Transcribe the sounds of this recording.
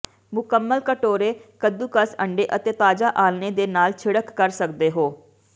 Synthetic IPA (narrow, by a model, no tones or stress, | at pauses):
mʊkəmːəlkəʈoːɾeːkəd̪uːkəsəɳɖeːʔət̪eːt̪aːd͡ʒaːʔaːlneːd̪eːnaːlt͡ʃʰɪɽəkːəɾsəkd̪eːɦoː